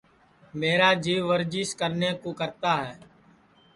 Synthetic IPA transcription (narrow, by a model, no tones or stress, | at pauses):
meːɾaːd͡ʒiːʋʋəɾd͡ʒiːskəɾneːkoːkəɾt̪aːɦɛː